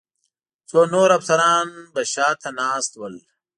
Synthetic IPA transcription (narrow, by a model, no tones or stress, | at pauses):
t͡sonoːɾɐfsɐɾɑːnbɐɕaːt̪ʰɐnaːst̪wəl